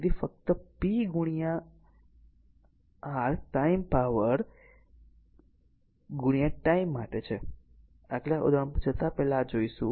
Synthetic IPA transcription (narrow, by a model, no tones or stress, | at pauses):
d̪ifək̚t̪əpiɡuɽ̃ijã | ɦaɭʈaimpaʋəɾ | ɡuɽ̃ijaʈaimːaʈet͡ʃʰe | aklaʔo̰d̪əɳ̃pt͡ʃʰət̪apɛlad͡ʒoiʃṵ̃